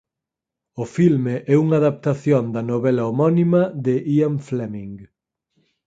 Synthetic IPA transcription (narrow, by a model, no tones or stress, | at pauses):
ʊfilmeʔɛuŋaðap̚t̪aθjond̪ɐnoβɛlɐomɔnimɐðeʔiamflɛmiŋɡ